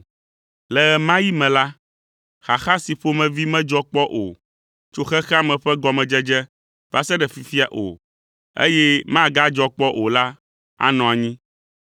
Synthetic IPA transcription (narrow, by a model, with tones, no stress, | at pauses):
lɛ˨ɛ˨mã˦ji˦mɛ̃˨la˦ | xa˨xa˦si˨ɸo˦mɛ̃˨vi˦mɛ̃˦d͡ʒɔ˦k͡pɔ˦ʔo̰˨ | t͡ʃo˦xɛ˦xɛ˦a˦mɛ̃˨ɸɛ˦ɡɔ˨mɛ̃˨d͡ʒɛ˦d͡ʒɛ˦ | va˦sɛ˦ɖɛ˨fi˨fi˦a˨ʔo̰˨ | ḛ˦jɛ˦mã˦˨ɡa˦d͡ʒɔ˦k͡pɔ˦ʔo˨la˦ | a̰˦nɔ̃˨a˨ɲĩ˦